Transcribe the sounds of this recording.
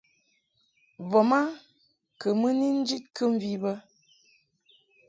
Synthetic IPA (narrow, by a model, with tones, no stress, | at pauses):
vɔ˨ma˦ | kə˨mə˦ni˦n̩˦d͡ʒi˦t̚kə˦ɱ̩˦vi˦bə˦